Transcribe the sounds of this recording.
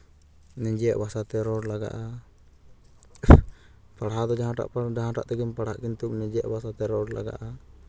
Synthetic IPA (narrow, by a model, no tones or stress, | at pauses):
nɛd͡ʒɛjaʔbasat̪ɛɾɔɖlaɡa̰ʔa | paɽɦad̪ɔd͡ʒaɦãʈa̰ʔpd͡ʒaɦãʈa̰ʔt̪ɛɡinpaɽaʔkint̪uk̚nɛ̃d͡ʒɛjaʔbasat̪ɛɾɔɖla̰ɡa̰ʔa